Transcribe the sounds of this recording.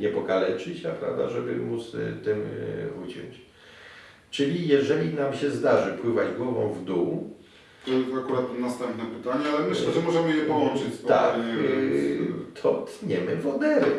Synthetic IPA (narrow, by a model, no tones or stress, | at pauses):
ɲɛpɔkalɛt͡ʂɘt͡ɕapɾa̰vd̪a̰ʐɛbɘ̰mut̪st̪ɪmvut͡ɕɛ̰t͡ɕ | t͡ʂɘlʲijɛʐɛlʲinamɕɛzd̪aʐɘpwɘvad͡ʑɡwɔvɔ̰̃w̃vd̪u | t̪ɔjɛsakuɾat̪nast̪ɛmpnɛpɘt̪aɲɛalɛmɘɕlɛʐɛmɔʐɛmɘjɛpɔwɔnt͡ʂɨt͡ɕ̪ak | t̪ʰɔt̪ɲɛmɘvɔd̪ɛɾɛ